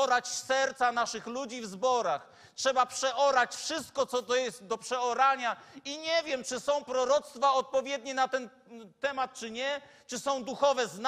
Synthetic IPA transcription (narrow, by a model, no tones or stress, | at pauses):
ɔɾat͡ɕsɛɾt̪sanaʂɘxlud͡ʑivzbɔɾax | tʂɛbapʂɛʔɔɾat͡ɕfʂɘst̪̚kɔt̪sɔt̪ɔjɛst̪d̪ɔpʂɛɔɾaɲaiɲɛvʲjɛmt͡ʂɘsɔ̃w̃pɾɔɾɔt̪st̪faɔt̪̚pɔvʲjɛd̪ɲinat̪ɛn | t̪ɛmat̪̚t͡ʂɘɲɛ | t͡ʂɘsɔ̃w̃d̪uxɔvɛzn